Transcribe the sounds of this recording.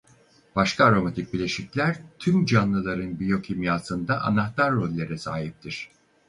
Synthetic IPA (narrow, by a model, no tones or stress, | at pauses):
baʃkʰaːɾo̞mat̪ʰic̚bilʲe̞ʃiclʲæɾt̪ʰymd͡ʒanlˠɯlˠaɾɯnbijo̞cʰimjaːsɯnd̪aʔa̰naxt̪aɾːo̞lʲːe̞ɾɛsaːɦip̚t̪ʰiɾ̥